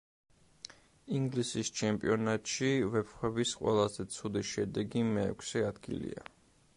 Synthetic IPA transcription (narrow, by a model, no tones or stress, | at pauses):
iŋɡlisist͡ʃʰɛmpʼiɔnat̪ʼʃivɛpχwɛbisqʼwɛ̰lˠazɛt̪sʰud̪iʃɛd̪ɛɡimɛ̰ːkʷʰsɛad̪ɡḭlḭa̰